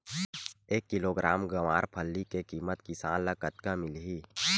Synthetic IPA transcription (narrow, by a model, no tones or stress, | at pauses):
eːkːɪloːɡɾaːmɡɐʋa̰ːɾpʰəlːikekiːmət̪kisaːnlɐkət̪kãmɪlɦiː